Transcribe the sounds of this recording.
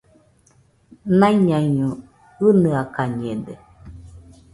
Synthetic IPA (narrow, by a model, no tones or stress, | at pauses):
nãiɲãɲũ | ɨnɯakaɲẽde